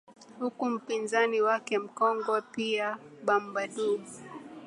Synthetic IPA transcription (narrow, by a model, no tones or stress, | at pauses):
hukum̩pinzaniwakɛm̩kɔŋɡwɛpiaɓam̩baɗuu